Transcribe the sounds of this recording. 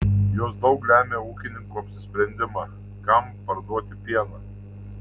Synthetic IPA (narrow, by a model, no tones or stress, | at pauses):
joːsd̪ɒʊklʲæːmʲeːuːkʲɪnʲɪŋkuːɐpʲsʲɪsʲpʲɾʲɛnʲd̪ʲɪmɑː | kɐm | pɐɾd̪uɔt̪ʲɪpʲiɛnɐː